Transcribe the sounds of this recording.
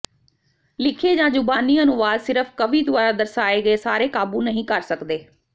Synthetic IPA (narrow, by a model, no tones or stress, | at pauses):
lɪkʰeːd͡ʒãːd͡ʒʊbaːniːənʊʋaːd̪sɪɾəfʰkəʋiːd̪ʊʋaːɾaːd̪əɾsaːeːɡəeːsaːɾeːkaːbuːnəɦĩːkəɾsəkd̪eː